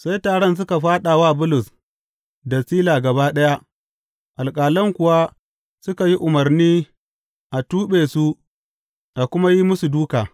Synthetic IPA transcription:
sa˦jtaː˨ɽɔ˦ns̬ʊ˦ka˨ɸaː˦ɗa˨waː˦˨bʊ˦lʊ˨s | dɐ˨siː˦laː˨ɡɐ˨baː˦ɗɐ˦ja˦ | ʔa˨lkʼaː˨lɔ˦ŋkʷʊ˨wa˦ | sʊ˦ka˨ji˦ʔʊ˨mɐ˨rniː˦ | ʔa˨tuː˦ɓeː˨su˦ | ʔa˨kʷʊ˦ma˦ji˦mʊ˦su˨duː˦kaː˨

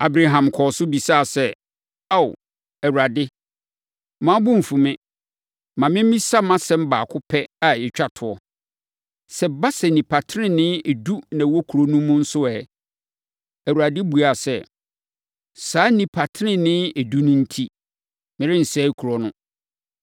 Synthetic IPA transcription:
a˨bɾa˨ɦã˨mkʰɔ˨sʊ˦bi˨sa˦˨sɛ˦˨ | a˦˨w | ɛ˨wu˨ɾa˨dɪ˦ | mã˦bʊ̃˦m̩˨fũ˨mɪ̃˦ | mã˨mɪ̃˦m̩˦ĩ˦sa˦mã˦sɛ̃˦m˦baː˨kʰʊ˦pʰɛ˦a˨jɪ˨t͡ɕᶣa˨tʰʊ˨ɔ˨ | sɛ˨ba˦sɛ˨nĩ˨pʰa˨tʰɪ˦ɾɪ̃˦nɪ̃˦e˨du˦nã˨˦wɔ˦kʰɾo˦nũ˦mʊ̃˦n̩˦sʊ˦ɛ˨ | æ˨u˨ɾa˨dɪ˦bu˨a˨sɛ˦ | saː˨˦nĩ˨pʰa˨tʰɪ˦ɪ̃˦nɪ̃˦e˨du˦nʊ̃˦n̩˦tʰi˦ | mɪ̃˨ɾɪ̃˦n̩˨sɛː˦kʰu˨ɾɔ˨nʊ̃˦

